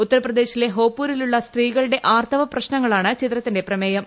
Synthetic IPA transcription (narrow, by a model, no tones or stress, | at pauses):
ut̪ːɐɾɐprɐd̪e̞ːɕile̞ɦo̞ːpːuːɾiluɭːɐst̪riːɣɐɭɨɽe̞ʔaːrt̪ʰɐʋɐprɐɕnɐŋːɐɭaːɳɨt͡ɕit̪rɐt̪ːinde̞prɐmeːjɐm